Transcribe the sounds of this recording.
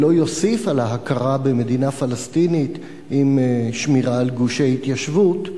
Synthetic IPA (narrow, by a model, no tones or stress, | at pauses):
lo̞jo̞sifalhaɦakaʁabeme̞d̪inafalast̪init̪ | ʔimʃmiʁaːlɡuʃejhit̪jaʃvut